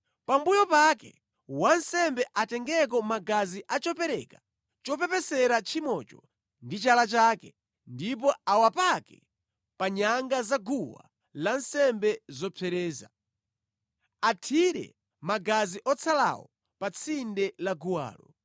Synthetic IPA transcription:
pambujɔpakɛ | wansɛmbɛʔatɛŋɡɛk̬ɔmaɡaziʔat͡ʃɔpɛɾɛka | t͡ʃɔpɛpɛsɛɾat͡ʃʰimɔt͡ʃɔ | ndit͡ʃalat͡ʃaːkɛ | ndip̬ɔawapakɛ̰ | paɲaŋɡazaɡuwa̰ | lansɛmbɛzɔpʰɛɾɛːza̰ | atʰiɾɛ̰ | maɡaziʔɔt͡sʰala̰wɔ | pat͡sʰindɛlaɡuwa̰ːlɔ

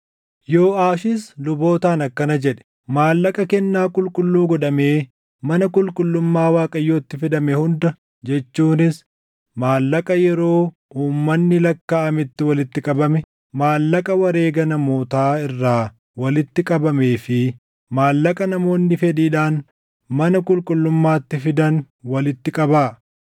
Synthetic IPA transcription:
jo̞ːaːʃɪslʊbo̞ːt̪aːnɐkːɐnɐd͡ʒɛᶑɛ̥ | maːlːɐkʼɐkɛnːaːkʼʊlkʼʊlːuːɡɔᶑɐme̞ː | mɐnɐkʼʊlkʼʊlːʊmːaːwaːkʼɐjːoːt̪ːɪfɛd̪ɐmɛhʊnd̪ɐ | d͡ʒɛt͡ʃːuːnɪs | maːlːɐkʼɐjɛɾo̞ː | uːmːɐnːɪlɐkːaːɐmɪt̪ːɪwɐlɪt̪ːɪkʼɐbɐmɛ | maːlːɐkʼɐwɐɾe̞ːɡɐnɐmo̞ːt̪aːɪrːaː | wɐlɪt̪ːɪkʼɐbɐme̞ːfɪ | maːlːɐkʼɐnɐmo̞ːnːɪfɛd̪iːᶑaːn | mɐnɐkʼʊlkʼʊlːʊmːaːt̪ːɪfɪd̪ɐn | wɐlɪt̪ːɪkʼɐbaː

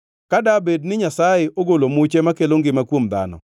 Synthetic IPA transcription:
kadabednɪɲasajeoɡolomʊt͡ʃemakeloŋɡɪmakwomd̪a̰nɔ̰

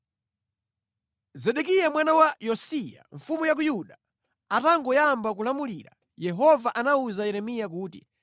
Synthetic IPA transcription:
zɛɗɛk̬ijamwanawajɔsija̰ɱfumujak̬ujuɗa | ataŋɡɔjambak̬ulamuliɾa̰ | jɛɦɔvaʔanauzajɛɾɛmijakuːtḭ

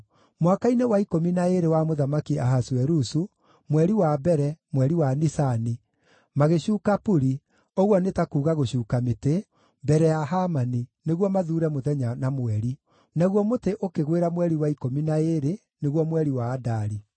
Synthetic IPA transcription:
mwakainewaikominaeɾewamoðamakiaɦaswɛɾusu | mwɛɾiwabɛɾɛmwɛɾiwanisani | maɣeɕuːkapuɾi | oɣwɔnetakuːɣaɣoɕuːkamete | bɛɾɛjaɦamanineɣwɔmaðuːɾɛmoðɛɲanamoɛɾi | naɣwɔmoteʔokeɣweɾamwɛɾiwaikominaeɾe | neɣwɔmwɛɾiwaːdaɾi

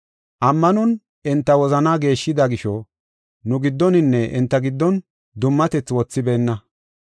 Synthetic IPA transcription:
ʔɐmːɐnɔn | ɪnt̪ːɐwɔzɐnaːɡe̞ːʃːɪd̪aɡɪʃɔ | nʊɡɪd̪ːɔnɪnːɛʔɪ̰nt̪ːɐɡɪd̪ːɔn | d̪ʊmːɐt̪ɛt͡sːwɔt͡sːɪbeːnːɐ

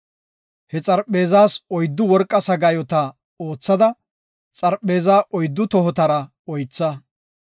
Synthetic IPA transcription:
hɛt͡sʼɐɾpʼːe̞ːzaːsɔjd̪ːʊwɔɾkʼːɐsɐɡɐjɔt̪ɐ | o̞ːt͡sːɐd̪ɐ | t͡sʼɐɾpːe̞ːzaːʔɔjd̪ːʊt̪ɔɦɔt̪ɐɾɐ | ɔjt͡sːɐ

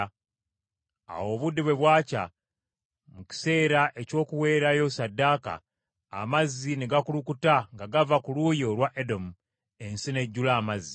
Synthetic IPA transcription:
a̰wo̞βudːiβwe̞βwaːca̰ | muci̥se̞ːɾaʔe̞co̞ːkuwe̞ːɾajo̞sadːaːka̰ː | mazːineɡakulukutaŋɡaɡavakulujo̞lwaʔedo̞mu | e̞nsine̞ɟːulaːmazːi

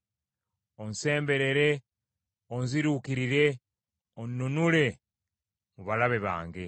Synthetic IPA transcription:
onse̞ːmbe̞ɾe̞ɾe̞ | onziɾuːkiɾiɾe̞ | onːunule̞ | muβalaβe̞βa̰ːŋɡe̞

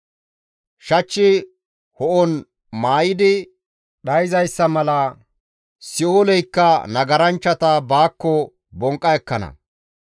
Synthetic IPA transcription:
ʃɐt͡ʃːɪ | hɔʔɔn | maːjɪd̪ɪ | ɗɐjzɐjsːɐmɐlɐ | sɪoːlɛjkːɐnɐɡɐɾɐnt͡ʃːɐt̪ɐbaːkːɔ | bɔŋkʼːɐɛkːɐnɐ̰

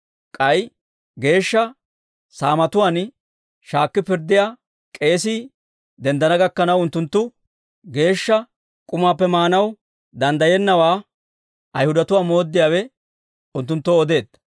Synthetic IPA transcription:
kʼɐj | ɡe̞ːʃːɐ | saːmɐt̪ʊwaːn | ʃaːkːɪpɪɾd̪ːɪjaː | kʼe̞ːs̬iː | d̪ɛnd̪ɐnɐɡɐkːɐnɐwʊnt̪ːʊnt̪ːʊ | ɡe̞ːʃːɐ | kʼʊmaːpːɛmaːnɐw | d̪ɐnd̪ɐjɛnːɐwaː | ʔɐjhʊd̪ɐt̪ʊwaːmo̞ːd̪ːɪjaːwɛ | ʊnt̪ːʊnt̪ːɔɔd̪e̞ːd̪

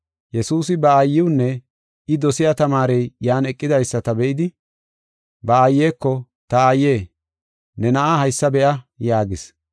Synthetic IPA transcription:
jɛsuːsɪbɐːjːɪwʊnːɛ | ʔɪd̪ɔsɪjat̪ɐmaːɾɛjjaːnɛkʼːɪd̪ɐjsːɐt̪ɐbɛʔɪd̪ɪ | bɐːjːeːkːɔ | t̪ɐajːe̞ː | nɛnɐʔahɐjsːɐbɛʔɐjaːɡɪs

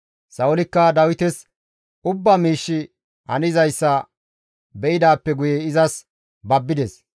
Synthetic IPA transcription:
sɐʊlɪkːɐd̪ɐwɪt̪ɛs | ʊbːamiːʃːɪ | hɐ̰nɪzɐjsːɐ | bɛʔɪd̪aːpːɛɡʊjɛɪzɐs | bɐbːɪd̪ɛs

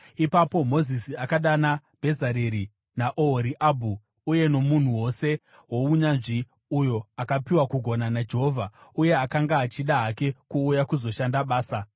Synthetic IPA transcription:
ipapo̞mo̞zisiakaɗanab̥ʱe̞zaɾeɾi | naʔooɾiʔabʱuː | je̞no̞mun̤uwo̞se̞ | wo̞uɲanʐi | ujo̞akapiwakuɡʱo̞nanad͡ʒeɦo̞ːvʱauje̞akaŋɡaːt͡ʃiɗaɦake̞kuːjakuzo̞ʃandaɓaːsa

